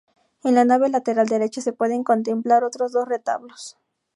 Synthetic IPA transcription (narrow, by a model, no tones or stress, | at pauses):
enlanaβelat̪eɾald̪eɾet͡ʃasepweðeŋkont̪̬emplaɾot̪ɾozðosret̪a̰βlos